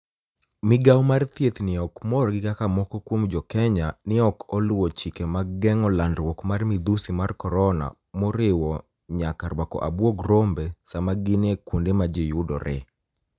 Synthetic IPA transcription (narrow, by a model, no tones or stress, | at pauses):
mɪɡawmart̪jet̪nɪɔkmɔrɡɪkakamɔkɔkwomd͡ʒɔkɛɲanɪɔkɔlʊwɔt͡ʃikɛmaɡɛŋɔlandɾwɔkmarmɪd̪usimarkɔɾɔna̰ | mɔɾɪwɔ | ɲakaɾwakɔ̰ʔabwoɡɾombɛsamaɡɪnekundemad͡ʒejudɔ̰ɾɛ̰